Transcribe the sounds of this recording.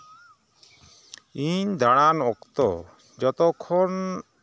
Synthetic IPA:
iɲd̪aɽ̃anɔkt̪ɔ̰ | d͡ʒɔt̪ɔkʰːɔn

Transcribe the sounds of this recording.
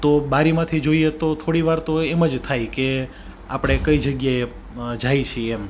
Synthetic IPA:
t̪obaɾimãt̪ʰid͡ʒoiet̪ot̪ʰoɽiʋaɾt̪oeməd͡ʒt̪ʰajke | a̰pɽ̃ekəid͡ʒəɡjae | d͡ʒajt͡ʃʰiɛm

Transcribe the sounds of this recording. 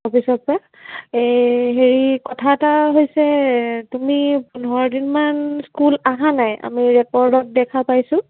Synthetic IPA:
ɔpʰisɔt̚pɹa | ejɦeɹikɔtʰaɛtaɦojsɛtumipunɔɔdinmanskulaɦanaja̰miɹɛkɔɹdɔt̚dɛkʰapajsʊ̃

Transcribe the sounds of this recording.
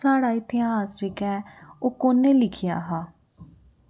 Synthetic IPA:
aːɽaːɪt̪ɪjaːɦaːsɾɪkɛːoːkoːnẽːlɪkʰɪja̰ːɦaː

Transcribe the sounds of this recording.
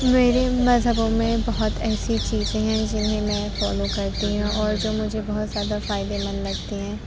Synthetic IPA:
meːɾemɐzɦəbõmẽbɐɦʊt̪ɛːsit͡ʃiːzẽɦɛ̃d͡ʒɪnɦẽmɛ̃ːfɔːlokɐɾt̪iɦũʔɔːɾd͡ʒoːmʊd͡ʒʱebɐɦt̪zjaːd̪afaːɪd̪emɐnlɐɡt̪eɦɛ̃ː

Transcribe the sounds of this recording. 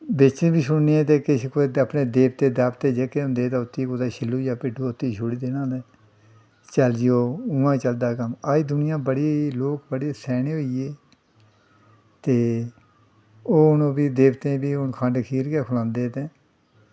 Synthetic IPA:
bɪt͡ʃẽːbiːsʊɳniːɛːt̪eːkɪskoapneːd̪eːbt̪eːd̪aːpt̪eːd͡ʒeːkeːɦʊ̃nd̪eːt̪aːʊt̪ːiːkod̪aːʃɪlːuːd͡ʒaːpɪɖuːʊt̪ːiːʃʰʊɽiːd̪eːnãːlɛː | t͡ʃəld͡ʒɪjoːʊ̃ːãːt͡ʃəld̪aːkəmaːiːd̪ʊnɪjãːbəɽeeloːkbəɽeːsɛːneːɦoːieː | t̪eː | oːʊnõːbiːd̪eːbt̪ẽːbiːʊnkʰə̃ɳɖkʰiːɾɡeːkʰʊlãːnd̪eːt̪ẽː

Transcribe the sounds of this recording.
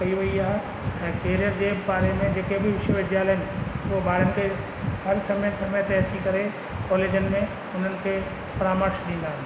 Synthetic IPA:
ɐiʋɐiaːɦe | ɛ̃ːkeːɾijəɾd͡ʑeːbaːɾemẽd͡ʑeːkebɪʋɪʃəʋɪd̪ʱjaːlɦɪnɪ̆uobaːɾənɪ̆kʰe | hɐɾsɐməsɐməjt̪eɐt͡ɕikɐɾe | kɔːleːd͡ʑənɪ̆mẽ | ʊn̤ənɪ̆kʰeː | pɾaːməɾʃɗĩːnd̪aːɦɪn

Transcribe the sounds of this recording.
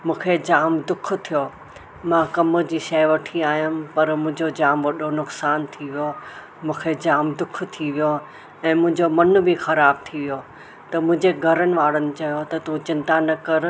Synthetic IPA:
mũːkʰed͡ʑaːmd̪ʊk̆ʰt̪ʰijo | mãkɐmʊd͡ʑiːʃɐɪʋɐʈʰiaːijʊmɪ̆pɐɾmʊ̃ɦɪ̃ɲd͡ʑod͡ʑaːmʋɐɗonʊksaːnt̪ʰiʋijo | mũːkʰed͡ʑaːmd̪ʊkʰt̪ʰiʋijo | ɛ̃ːmʊ̃ɦɪ̃ɲd͡ʑomɐnbʱixɐɾaːb̚t̪ʰiʋijo | t̪ɐmʊ̃ɪ̃ɲd͡ʑeɡʱɐɾənɪ̆ʋaːɽənɪ̆t͡ɕɐjot̪ɐt̪ũt͡ɕɪ̃nt̪anɐkɐɾ

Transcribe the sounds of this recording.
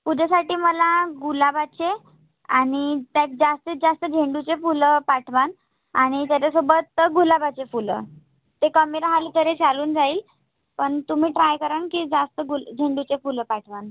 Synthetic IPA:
pud̪ʱjasaʈiːməlaɡulabat͡ɕe | aɽ̃it̪jak̚d͡zast̪id͡zast̪əd͡ʑʱeɳɖut͡sefuləpaʈʰʋan | aɽ̃it̪jat͡ɕasobət̪ɡulabat͡ɕefulə̰ | t̪ekəmiɾaɦalit̪əɾet͡saluːnd͡zaiːl | pəɳt̪um̤iːʈɾajkəɾankiːd͡zast̪əɡuld͡ʑʱeɳɖut͡sefuləpaʈʰʋan

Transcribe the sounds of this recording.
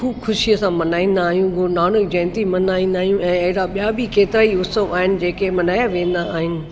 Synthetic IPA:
xuːbxʊʃiəsãmɐnaːĩːnd̪aːɦjũɡnaːnək̚d͡ʑɛ̃ːnt̪imɐnaːĩːn̆d̪aːɦijũɛ̃ːɐɦɪɽaɓijabʱikeːt̪ɪɾaːiʊsəʋaːɦɪnɪ̆d͡ʑeːkemɐnaːjaʋẽːn̆d̪aaːɦɪnɪ̆

